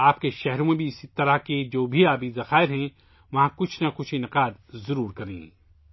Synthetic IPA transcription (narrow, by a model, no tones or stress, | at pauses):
aːp̚keʃɛɦɾõmẽbʱiɪsit̪ɐɾaɦked͡ʒoːbʱiaːbizɐxaːɪɾɦɛ̃ | ʋɐɦãkʊt͡ʃʰnɐkʊt͡ʃʰɪnɪqaːd̪zɐɾuːɾkɐɾḛ̃ː